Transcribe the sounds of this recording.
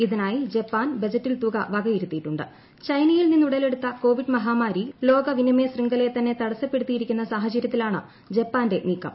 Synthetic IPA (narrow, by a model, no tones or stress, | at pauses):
iðinaːjid͡ʑepːaːnbɐd͡ʑɐtːilt̪uɣɐʋɐɡɐiɾut̪ːijʈːuɳɖɨ̰ | t͡ɕɐjnɐjilninːuɽɐle̞ɽut̪ːɐko̞ːʋiɖmɐɦaːmaːɾilo̞ːɡɐʋinime̞ːsriŋɡɐle̞t̪ɐnːe̞t̪ɐɽɐsːɐpːe̞ɽut̪ːijiɾikʲːunːɐsaːɦɐt͡ɕɐɾjɐt̪ːilaːɳɨ | d͡ʑepːaːnde̞niːkːɐ̰m